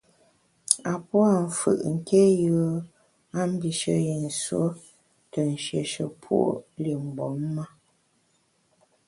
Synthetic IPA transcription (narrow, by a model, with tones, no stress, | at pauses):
a˨pwa˦˨ɱ̩˨fɯ̰˨ʔŋ̩˨ke˦jə˨˦ | a˦m̩˦bi˨ʃə̰˨je˨n̩˨swo̰˦ | tə˨n̩˨ʃje˨ʃə˨pʰwṵ˦o̰˦li˨m˨bɔ˨˦mːa˦